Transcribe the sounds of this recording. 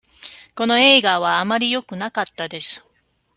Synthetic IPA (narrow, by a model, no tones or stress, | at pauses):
ko̞no̞e̞ːɡaβ̞aːmaɾʲijo̞kɯ̟nakat̪ːad̪e̞sɨ̥